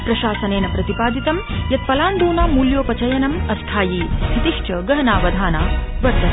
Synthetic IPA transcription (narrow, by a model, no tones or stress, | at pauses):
pɾɐʃaːsɐneːnɐpɾɐt̪ipaːd̪it̪ɐmjɐt̪̚pɐlaːnd̪uːnaːmuljoːpɐt͡ʃɐjɐnɐmɐst̪ʰaːjiːɦit̪iʂt͡ʃɐɡɐɦɐnaːʋɐd̪ʱaːnaːʋɐɾd̪ʱɐ